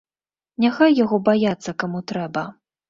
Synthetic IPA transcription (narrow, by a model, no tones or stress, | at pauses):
nʲaxajːaɣɔbajat̪sːɐkamut̪ɾɛbɐ